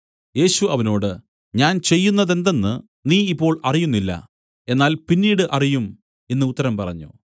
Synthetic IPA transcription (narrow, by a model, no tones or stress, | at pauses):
je̞ːɕuɐʋɐno̞ːɽɨ | ɲaːnt͡ɕe̞jːunːɐðe̞nd̪enːɨ | niːipːo̞ːɭɐrijunːilːɐ̰ | e̞nːaːlpinːiːɽɨʔɐrijum | e̞nːɨut̪ːɐɾɐmpɐrɐ̰ɲːṵ